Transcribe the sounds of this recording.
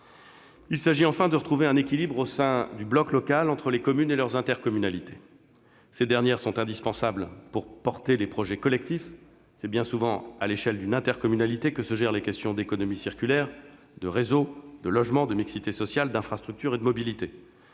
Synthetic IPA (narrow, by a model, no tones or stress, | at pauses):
ilsaʒiɑ̃fɛ̃d̪əʁət̪χuveɛ̃nekʲilibʁosɛ̃d̪yblɔklɔkalɑ̃t̪χəlekɔmynelœʁzɛ̃t̪ɛʁkɔmynalit̪e̥ | sed̪ɛʁnjɛʁsɔ̃t̪ɛ̃d̪ispɑ̃sablpuʁpɔʁt̪elepχɔʒɛkɔlɛkt̪if | sɛbjɛ̃suvɑ̃a̰leʃɛld̪ynɛ̃t̪ɛʁkɔmynalit̪ekəsəʒɛʁlekʲɛst̪jɔ̃d̪ekɔnɔmisiʁkʲylɛʁ | d̪əʁezod̪̥əlɔʒmɑ̃d̪əmiksit̪esɔsjald̪ɛ̃fχast̪χyk̚t̪yʁed̪əmɔbilit̪e